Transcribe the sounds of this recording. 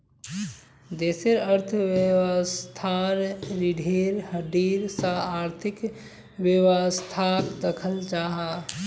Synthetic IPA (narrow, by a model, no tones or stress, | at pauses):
d̪eːseɾəɾt̪ʰʋewast̪ʰanɾiɖʱeːɾɦəɖiːɾsaaːɾt̪ʰɪk | ʋewast̪ʰaːkd̪əkʰəld͡ʒaːɦa